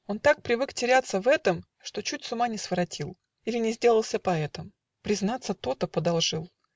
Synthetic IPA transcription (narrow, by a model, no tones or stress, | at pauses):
o̞nt̪ak̚pɾʲɪvɨktʲɪɾʲat̪sːəvɛt̪əm | ʂt̪o̞t͡ɕutʲsʊmanʲɪsvəɾɐtʲilˠ | ilʲɪnʲɪzʲdʲe̞lˠəlˠsʲəpɐɛt̪əm | pɾʲɪznat̪sət̪o̞t̪əpəd̪ɐlˠʐɨlˠ